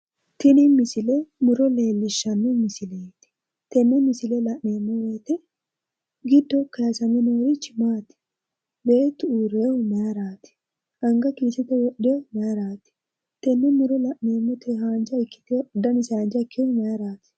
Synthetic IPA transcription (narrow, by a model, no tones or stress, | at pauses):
t̪ɪnɪmɪsɪlɛmɪɾɔle̞ːlːɪʃːɐnːɛmɪsɪleːt̪ɪ̥ | t̪ɛnːɛmɪsɪlɛlɐʔneːmːɔweːt̪ɛ | ɡɪd̪ːɔkɐjɐsɐmɪnoːɾɪt͡ʃːmaːt̪ɪ̥ | beːt̪ːuːɾeːhʊmɐjɐɾaːt̪ɪ̥ | ʔɐŋɡɐkiːsɛt̪ɛwɔɗːemɐjɐɾaːt̪ɪ̥ | t̪ɛnːɛmɪɾɔlɐʔneːmːɔt̪ehaːnd͡ʒɐɪkːɪ̥t̪ed̪ɐnɪsaːnd͡ʒɐkʰːehʊmɐjɐɾaːt̪ɪ̥